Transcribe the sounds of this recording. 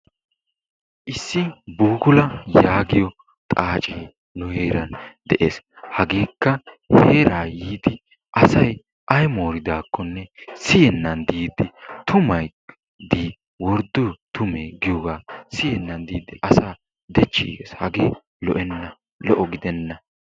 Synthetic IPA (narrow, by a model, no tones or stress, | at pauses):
ʔɪsːɪbuːɡʊlɐjaːɡɪjɔ | t̪ʼaːt͡ʃʼiː | nʊheːɾɐnd̪ɛʔeːs | hɐɡeːkːɐ | heːɾaːjiːd̪ɪ | ʔɐsɐj | ʔɐjmo̞ːɾɪd̪aːkːɔnːɛsɪjɛnːɐnd̪iːd̪ɪt̪ʊmɐj | d̪iː | wɔɾd̪ʊt̪ʊmeːɡɪjɔɡaːsɪjɛnːɐnd̪iːd̪ɪʔɐsaː | d̪ɛt͡ʃːḭːɡḛːshɐɡeː | lɔ̰ʔɛnːɐ | lɔʔɔɡɪd̪ɛnːɐ